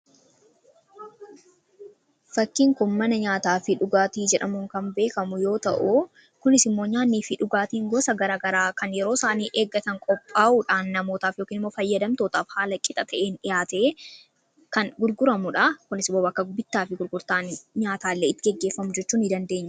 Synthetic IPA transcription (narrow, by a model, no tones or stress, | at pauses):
fɐkːiːŋkʊnmɐnɐɲaːt̪aːfɪᶑʊɡaːt̪iːd͡ʒɛᶑɐmʊŋkɐmbe̞ːkɐmʊjo̞ːt̪ɐ̰ʔu | kʊnɪsɪmːo̞ːɲaːniːfɪᶑʊɡaːt̪iːŋɡɔsɐɡɐɾaːɡɐɾaːkɐnjɛɾo̞ːsaːniːʔeːɡːɐt̪ɐŋkʼɔpʼːaːʔuːᶑaːnːɐmo̞ːt̪aːfjoːkiːnɪmːo̞ːfɐjːɐd̪ɐmt̪o̞ːt̪aːfhaːlɐkʼːɪt̪ʼɐt̪ɐʔeːnɪjaːt̪e̞ː | kɐnɡʊɾɡʊɾɐmʊᶑakʊnɪsɪmːoːbɐkːɐbɪt̪ːaːfɪɡʊɾɡʊɾt̪aːnɲaːt̪aːlːeːɪt̪ːɪɡɛɡːe̞ːfːɐmʊd͡ʒɛt͡ʃːuːnɪd̪ɐnd̪e̞ːɲːɐ